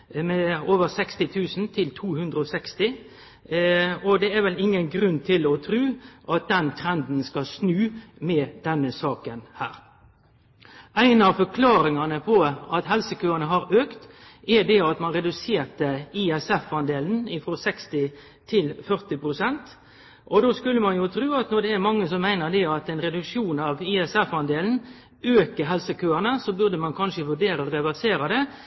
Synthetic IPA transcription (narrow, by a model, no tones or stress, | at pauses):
mɛoːʋəɾsɛkst̪ɪt̪ʰʉːsn̩t̪ʰɪlt̪ʰuːhʉnd̪ɾəɔsɛkst̪ɪ | ɔd̪ɛæɾʋɛlɪŋːənɡɾʉnt̪ʰɪlɔt̪ʰɾʉːʔɑt̪̚d̪ɛnt̪ʰɾɛnd̪n̩skɑlsnʉːmɛːd̪̥ɛnːəsɑːkənhæːɾ | æɪnɑʋfɔɾkʰlɑːɾɪŋɑnəpʰɔɑt̪hɛlsəkøːʁənəɦɑɾøːkt̪ | ɛd̪ɛɑt̪mɑnɾɛd̪ʉseːɾt̪əiɛsɛfɑnd̪eːln̩ɪfɾɔsɛkst̪ɪ | t̪ʰɪlfœʁt̪ɪpɾʊsɛnt̪ | ʔɔd̪oːskʉlːəmɑnjʊt̪ʰɾʉːɑt̪nɔʁd̪ɛːɾmɑŋːəsɔmːæɪnəɾd̪ɛɑt̪ɛɪnɾɛd̪ʉkʂuːnɑʋɪɛsɛfɑnd̪eːln̩ | øːkəɾɦɛlsəkʰøːənəsobʉʁd̪əmɑnkʰɑnʂəʋʉɖeːɾəɾɛʋæʁseːɾɑd̪ɛ